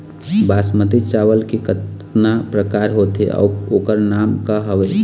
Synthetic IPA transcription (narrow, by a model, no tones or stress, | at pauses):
baːsmət̪it͡ʃaʋəlkikət̪ | napɾəkaːɾɦoːt̪ɦḛʔɔ̰ːokəɾnaːmkaɦəʋe